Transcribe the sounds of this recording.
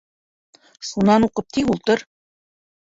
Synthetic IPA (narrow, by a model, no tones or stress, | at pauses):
ʃunɑnuqɤp̚t̪iɡulˠt̪ɤɾ